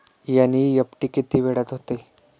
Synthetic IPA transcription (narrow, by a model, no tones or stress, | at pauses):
janijəpʈiːkit̪iːʋeɽat̪ɦot̪e